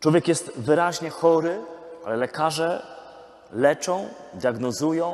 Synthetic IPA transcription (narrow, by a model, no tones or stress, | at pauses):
t͡ʂwɔvʲjɛkjɛst̪vɘɾaʑɲɛxɔɾɘalɛlɛkaʐɛ | lɛt͡ʂɔ̃w̃d̪ʲjaɡnɔzujɔ̃w̃